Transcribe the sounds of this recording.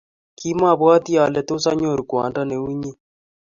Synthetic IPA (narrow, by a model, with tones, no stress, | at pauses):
ki˦ma˦˨βwa˦t̪i˦a˨lɛ˨t̪o˦sa˦ɲo˦˨ɾu˨kwa̰˨nda˦ne˨u˦ɲe˦